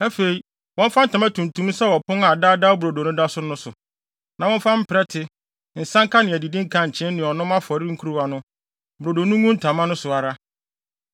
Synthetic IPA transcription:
æ˦fe˨i˨ | wɔ̃˦n˦fa˦n˦tʰã˨mæ˦tʰũ˨ntʰũ˦m˦sɛ˦wɔ˨pʰʊ̃˦a˨daː˦da˦bɾo˨do˨nʊ̃˦da˦sʊ˦nʊ̃˦sʊ˨ | nã˨wɔ̃˦n˦fã˦m̩˦pʰɪ˨ɾɛ˦tʰɪ˦ | n̩˨sã˦ŋkʰa˦nɪ̃˨æ˨di˨dĩ˦ŋ̩˦kʰã˨ɲ̩˨t͡ɕʰɪ̃˦nɪ̃˨ɔ˨nʊ̃˦mã˦fɔ˨ɾɪ˦ŋ̩˦kʰu˦ɾu˦˨a˨nʊ̃˦ | bʊ˨ɾo˨do˨nʊ̃˦ŋũ˦n̩˦tʰã˨mã˦nʊ̃˦sʊ˨a˨ɾa˦

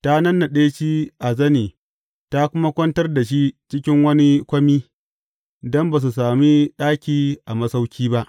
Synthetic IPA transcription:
ta˦nɐ˦nːa˨ɗeː˦t͡ʃiː˦ʔa˨zɐ˦niː˨ | ta˦kʷʊ˦ma˦kʷɐ˦ntɐ˦rda˨ʃ̬i˦t͡ʃɪ˦kʲɪ˦ŋwɐ˦ni˦kʷɐ˦miː˦ | dɔ˦mba˨s̬u˨saː˨mi˦ɗaː˦kʲiː˨ʔa˨mɐ˦sa˦wkʲiː˦ba˦ʔ

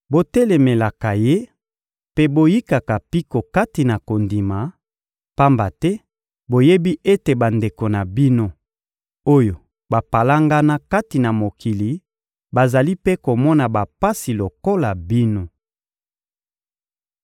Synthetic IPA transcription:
bo˦tɛ˦lɛ˨me˨la˨ka˨je˦ | pe˦bo˦ji˦ka˨ka˨pi˦ko˨ka˦ti˨na˨ko˨ndi˨ma˨ | pa˦mba˨tɛ˦ | bo˨je˦bi˦e˦te˨ba˨nde˨ko˨na˨bi˦no˦ | o˦jo˨ | ba˨pa˨la˦ŋɡa˦na˦ka˦ti˨na˨mo˨ki˨li˨ | ba˨za˨li˦pe˦ko˨mɔ˦na˨ba˨pa˦si˨lo˨ko˦la˨bi˦no˦

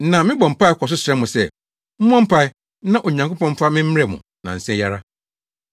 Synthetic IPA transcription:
nã˨mɪ̃˦bɔ˨m̩˨pa˦ɪ˦kʰɔ˨s̬ʊ˦sɾɛ̃˦mʊ̃˨sɛ˦˨ | m̩˦m˦ɔ̃˦m̩˦pʰa˦ɪ˦ | nã˦ʔo˨ɲã˨ŋko˦pɔ̃˦m̩˦fa˦mɪ̃˦m̩˦ɛ˨mʊ̰̃˨ | nã̰˨n̩˨sɛ̃˦ja˦ɾa˦

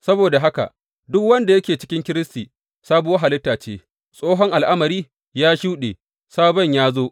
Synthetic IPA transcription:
sɐ˦boː˨da˨ɦa˦ka̰˨ | dʊ˦kwɐ˦nda˨jɐ˦kʲeː˨t͡ʃɪ̥˦kʲɪ˦ŋkʲɪ˦ɾɪ˦stiː˨ | saː˦bu˨wɐ˦ɦa˨lɪ˦tːaː˨t͡ʃeː˦ | sʼoː˦ɦɔ˦ŋʔa˨lʔa˦mɐ˨ɾiː˦ | jaː˦ʃuː˦ɗḛ˨ | saː˦bɐ˦ɲjaː˦zoː˦ʔ

